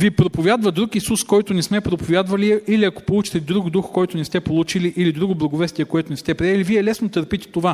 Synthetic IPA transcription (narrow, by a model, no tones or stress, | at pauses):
vipɾopovʲjad̪vɐd̪ɾukisuskɔjt̪ʊnɛsmɛpɾopovʲjad̪vɐliɛʔiliɐko̥polˠut͡ʃi̥t̪ɛd̪ɾuɡd̪uxkɔjt̪ʊnist̪ɛpolˠut͡ʃiliʔilid̪ɾuɡoblˠɐɡovɛst̪ʲiɛkoɛt̪onist̪ɛpɾiɛliviɛlɛsnot̪əɾpit̪ɛ̥t̪ova